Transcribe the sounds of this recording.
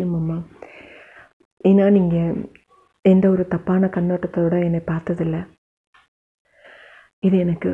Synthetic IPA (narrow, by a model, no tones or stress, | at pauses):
jumɐmːɐ | inaːniːŋɡɐ | endeoɾut̪ɐpːaːɳɐkɐnːoʈːɐt̪ːoːɽɐenːepaːɾt̪ɐðilːɐ | iðɨenɐkːɨ